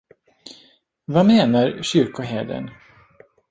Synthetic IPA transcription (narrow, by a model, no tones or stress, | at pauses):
vameːnaɾɕʏɾkʊɦeːd̪ə̰n